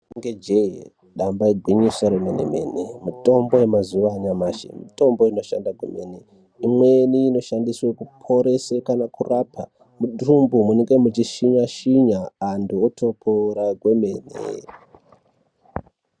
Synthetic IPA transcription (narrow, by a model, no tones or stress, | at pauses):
nŋɡed͡ʒei | ɗambaiɡʱwiɲisoɾemenḛme̞̰nemuto̞mbo̞jemazuʋaːɲamaʃḭmḭto̞mbo̞ino̞ʃandaɡwḛme̞ne | imweniːno̞ʃandiswekupʰo̞ɾe̞sekanakurapʰa | muɗumbumuneŋɡemut͡ʃiʃiɲaʃiɲaːnduotʰo̞pʰoɾaɡʱweme̞ːnḛ